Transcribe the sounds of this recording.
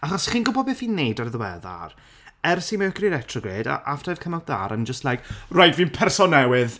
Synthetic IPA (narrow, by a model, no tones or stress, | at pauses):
aχɔsχiːnɡʊbɔdbeθinːejdarðəwɛða̰r | ɛrsimɛkriɾɛtʰrɔɡreːda̰ʔaftʰajv̥kʰəmad̥aːɾamnd͡ʒəstlajkrajdviːnpʰɛrsɔnɛwɪð